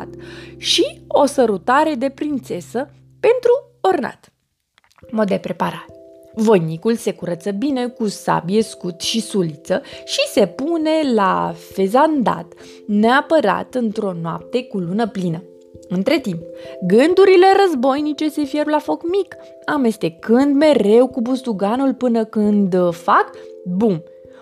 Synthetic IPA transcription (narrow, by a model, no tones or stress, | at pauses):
t̪ʃio̞səɾut̪aɾe̞d̪e̞pɾint̪se̞sə | pe̞nt̪ɾu | orna̰t̪ | mo̞d̪ːe̞pɾe̞paɾat̪ | vojnikulse̞kuɾət̪səbine̞kusa̰bje̞skut̪ʃisulit̪səʃise̞pune̞la̰fe̞zand̪a̰t̪ | neapəɾa̰t̪ɨnt̪ɾo̞noa̰p̚t̪e̞kulunəplinə | ɨnt̪ɾe̞t̪impɡɨnd̪uɾile̞ɾəzbo̞jnit͡ʃe̞se̞fje̞rlafo̞kmik | ame̞st̪e̞kɨnd̪me̞ɾe̞wkubust̪uɡanulpɨnəkɨnd̪fakbun